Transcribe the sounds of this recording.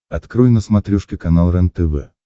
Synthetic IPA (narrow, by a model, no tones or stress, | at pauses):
ɐt̪kɾujnəsmɐt̪ɾʲuʂkʲɪkɐnalˠɾɛnt̪əvɛ̰